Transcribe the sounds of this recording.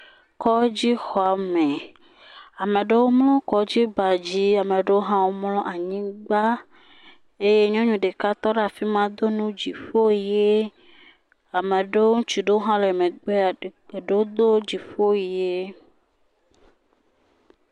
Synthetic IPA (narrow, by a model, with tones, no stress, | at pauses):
kɔ˦d͡ʑi˦xɔ˨a˨me˨ | a˨mẽ˨ɖe˦wo˦mlɔ̃˦kɔ˨d͡ʑi˦ba˨d͡ʑi˦a˨mẽ˨ɖe˦wo˦ɦã˦wo˦mlɔ̃˦ʔa˨ɲĩ˦ɡ͡ba˦ | e˦je˦ɲɔ̃˦ɲũ˨ɖe˨ka˦t̪ɔ˦ɖe˦a˨fi˦mã˦d̪o˦nũ˦d͡ʑi˨fo˦˨je˦ | a˨mẽ˨ɖe˦wwo˦ũ˦t͡ʃu˨ɖe˦o˦ɦã˦le˨mẽ˨ɡ͡be˦˨ɖe˦wo˦d̪o˦d͡ʑi˨fo˦˨je˦